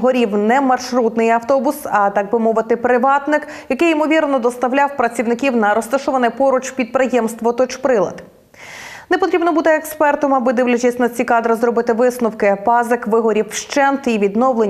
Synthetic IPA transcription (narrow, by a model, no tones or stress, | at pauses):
ɦɔɾʲiwnɛmɐrʃɾut̪nɪjɐwt̪ɔbʊsɐt̪ɑɡ̚bɪmɔʋɪt̪ɪpɾɪʋɑt̪nɪk | jɐkɪjimɔʋʲirnɔd̪ɔst̪ɐʋlʲawpɾɐt͡sʲiwnɪkʲiwnɐɾɔst̪ɐʃɔʋɐnɛpɔɾʊt͡ʃpʲid̪̚pɾɪjɛmst̪ʋɔt̪ɔt͡ʃpɾɪlˠɐ̰d̪ | nɛpɔt̪ɾʲibnɔbut̪ɪɛkspɛrt̪ɔmɐbɪd̪ɪwlʲɐt͡ʃʲɐsʲnɐt͡sʲikɑd̪ɾɪzɾɔbɪt̪ɪʋɪsnʊwkɪpɑzɪkʋɪɦɔɾʲiwʃt͡ʃɛnt̪iʋʲid̪nɔwlˠe